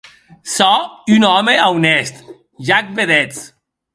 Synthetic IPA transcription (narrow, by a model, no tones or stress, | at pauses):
sɔynɔmeawnest̪ | ʒak̚beðet͡s